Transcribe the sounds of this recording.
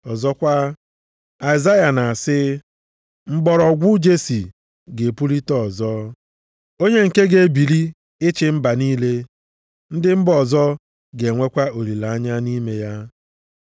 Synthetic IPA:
ɔ˨zɔ˦kʷa˦ | a˨ɪ˨za˦ja˨na˨a˨sɪ˦ | ŋ͡m̩˦ɡ͡bɔ˨ɾɔ˨ɡʷʊ˦d͡ʒe˦si˨ | ɡe˨pu˦li˦tɔ˦˨zɔ˦ | o˦ɲe˦ŋ̩˨ke˦ɡe˨bi˨li˦ | ɪ˦t͡ʃɪ˨m̩˦ba˨niː˦le˦ | n̩˦dɪ˦m̩˦bɔ˨zɔ˦ | ɡe˨ŋʷe˦kʷa˦o˨ɾi˨la˨a˦ɲa˦ni˦me˦ja˦

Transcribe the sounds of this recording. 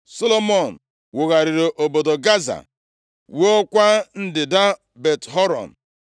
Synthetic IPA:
so˦lo˦mɔ˦˨n̩˨ | wʊ˨ɣa˨ɾɪ˨ɾo˨ʔo˨bo˨do˨ɡa˦za̰˨ | wo˦o˦kʷa˦n̩˦dɪ˨da˦ | be˨tɦɔ˦ɾɔ̰˨n̩˨

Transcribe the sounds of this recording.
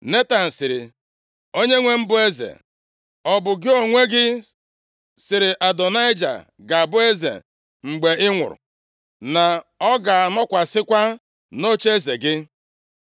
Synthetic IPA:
ne˦ta˨n̩˨sɪ˨ɾɪ̰˨ | o˦ɲe˦ŋʷe˦m̩˦bʊ˦e˦zḛ˨ | ɔ˨bʊ˨ɡɪ˦o˨ŋʷe˦ɡɪ˦ | sɪ˨ɾɪ˨ʔa˨dɔ˨na˦ɪ˦d͡ʒa̰˨ | ɡa˨a˨bʊ˦e˦zḛ˨ | ŋ͡m̩˨ɡ͡be˨ɪ˦ŋʷʊ̰˨ɾʊ̰˨ | na˨ɔ˦ɡa˨nɔ˦kʷa˨sɪ˦kʷa˦ | no˦t͡ʃe˦ze˨ɡɪ˦

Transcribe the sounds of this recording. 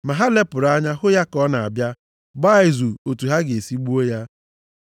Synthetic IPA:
ma˨ɦa˦le˦pʊ˨ɾa˦ɲa˦ɦʊ˦ja˦kɔ˦na˨a̰˨bja˦ | ba˦ɪ˨zu˨o˨tu˨ɦa˦ɡe˨si˦ɡ͡bu˦o˦ja˦

